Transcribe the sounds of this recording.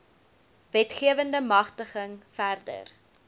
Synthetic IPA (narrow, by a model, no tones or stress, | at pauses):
vɛtχiəvəndəmɐχtəχəŋfærdə̰r